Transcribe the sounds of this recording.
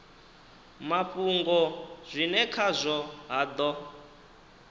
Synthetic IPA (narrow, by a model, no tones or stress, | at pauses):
mapuŋɡɔz̥ʷinɛkʰazʷɔɦad̪ɔ